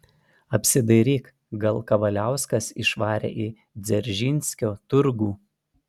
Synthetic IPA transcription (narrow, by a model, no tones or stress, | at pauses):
ɐpʲsʲɪd̪ɐɪɾʲiːk | ɡɐlˠˑkɐʋɐlʲæˑʊskɐsɪʃʋɑːɾʲḛːʔi | d̪zʲɛɾʲʒʲɪnʲsʲkʲoːt̪ʊɾɡuː